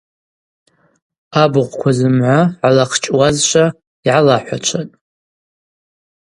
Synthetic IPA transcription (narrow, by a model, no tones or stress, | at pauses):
abɨʁʷkʷʰazɨmʕʷaʕalaqʰt͡ʃʼwazʃʷʰa | iʕalaħʷat͡ʃʷʰatʼ